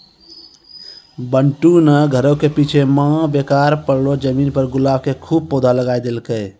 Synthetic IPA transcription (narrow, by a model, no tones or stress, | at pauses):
bəɳʈunəɡʱəɾokepit͡ʃʰemãbekaɾpəɽlod͡ʒəminpəɾɡulabʱkekʰub̚pod̪ʱaləɡajd̪elkəj